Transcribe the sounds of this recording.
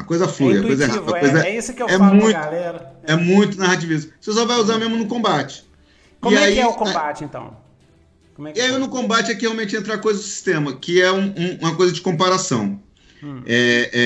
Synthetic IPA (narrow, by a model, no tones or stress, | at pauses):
ɐkojzɐɛflujiɐ̰kojzɐɛɦad̪ɐkkojzɐisʊewɛmũj̃t̪ʊɛmũj̃t̪ʊnahat͡ʃivis̬ɐses̬ɔvajuzaɾmẽzmʊnʊkõmbat͡ʃɪ̥ | ɪaiɛkbat͡ʃẽt̪ɐ̰̃w̃ | oɛɪaiewnʊkõmbat͡ʃɪɛkɪheawmẽnt͡ʃɪẽnt̪ɾaɾkojzɐzd̪ʊsi̥st̪ẽmɐkɪɛũũũmɐkojzɐd͡ʒɪkõpaɾasɐ̃w̃ | ɛɛ